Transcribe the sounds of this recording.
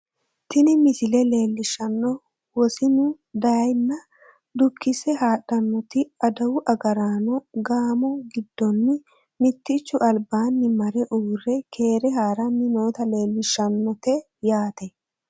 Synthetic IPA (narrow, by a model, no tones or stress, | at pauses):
t̪ɪnɪmɪsɪlɛle̞ːlːɪʃːɐnːɔ | wɔsɪnʊ | d̪ɐjɐjnːɐ | d̪ʊkʰːɪsɛɦaːɗɐnːɔt̪ɪɐd̪ɐwʊʔɐɡɐɾaːnɔɡaːmɔɡɪd̪ːɔnːɪ | mɪt̪ːɪt͡ʃːʊʔɐlbaːnːɪmɐɾɛʔuːrːɛkʰe̞ːɾɛɦaːɾɐnːɪno̞ːt̪ɐle̞ːlːɪʃːɐnːɔt̪ɛ | jaːt̪ɛ